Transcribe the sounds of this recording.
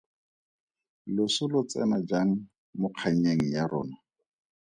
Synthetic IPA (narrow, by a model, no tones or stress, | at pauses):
lʊsʊlʊt͡sɛ̰nad͡ʒaŋ̩ | mʊq͡χʰaɲ̩ɲeŋ̩jaɾɔ̰ːna